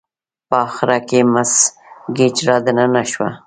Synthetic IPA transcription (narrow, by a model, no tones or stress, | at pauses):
pəɑxɾakemas | ɡet͡ʃɾɑd̪ənanaʃwa̰